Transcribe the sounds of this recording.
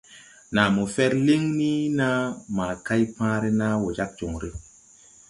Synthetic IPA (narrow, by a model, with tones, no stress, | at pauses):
na˨mo˨fɛ˦ɾli˦ŋni˦na˦maː˨ka˦jpãː˦ɾe˦na˦wo˨d͡ʒa˦k̚d͡ʒo˨ŋɾi˦